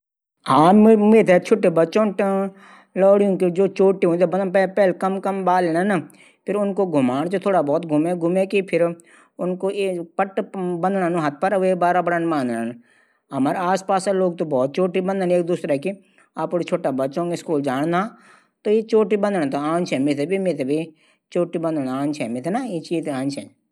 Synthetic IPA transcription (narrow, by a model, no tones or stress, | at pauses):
ɦãːmet̪ʰet͡ʃʰʊʈːebətːt͡ʃõːʈ | lɔːɽijõkid͡ʒoːt͡ʃoːʈiɦõnit̪ʰːbənpɛpɛːlkɐmkɐmbaːleːnana | pʰɪɾʊnkoɡʱʊmaːɽ̃d͡ʒot̪ʰoːɽabɔːt̪ɡʱʊmeɡʱʊmekipʰɪɾ | ʊnkoepəʈbə̃nd̪nanuɦɐt̪̚ʰpəɾʋebaːɾabəɽənbãːnd̪nan | ɐmaːɾaːspaːsaloːɡ̚t̪obɔːt̪̚t͡ʃoːʈibə̃nd̪əneːkd̪uːsɾaɛki | aːpoːɾet͡ʃʰoːʈabətːʃõːŋɡeskuːld͡ʒaːɽ̃naː | t̪oːjet͡ʃoːʈibə̃nd̪əɽ̃t̪oãːnt͡ʃʰɛːmet̪ebʱimet̪ebʱi | t͡ʃoːʈibə̃nd̪ənãːnt͡ʃʰɛːmet̪ʰenaːet͡ʃiːt̪ãːnt͡ʃʰɛ̰ː